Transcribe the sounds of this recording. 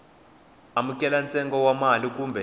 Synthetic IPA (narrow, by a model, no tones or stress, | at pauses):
amukʼɛlant͡sʼɛŋɡɔwamalikʼuːmbʱɛ